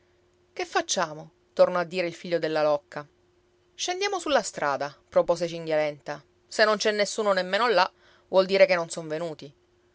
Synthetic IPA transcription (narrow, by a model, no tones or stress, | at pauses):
kefːat͡ʃːaːmo | t̪ornoad̪ːiːɾeilfiʎːod̪elːalɔkʰːa | ʃend̪jaːmosulːast̪ɾʔaːd̪apɾopoːset͡ʃiŋɡjalɛnt̪a | senːont͡ʃɛnːesːuːnonemːeːnolːa | vwɔld̪iːɾekenːonsoɱvenuːt̪i